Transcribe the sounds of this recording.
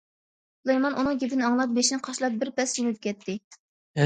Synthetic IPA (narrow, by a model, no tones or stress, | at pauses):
lˠejmɑnʔunɨŋɡʲepɪnɨɑŋlˠɑp̚beʃinɨqʰɑʃlˠɑp̚bɪɾpɛsd͡ʒinɪt̪̚kʲʰɛt̪ʰːɪ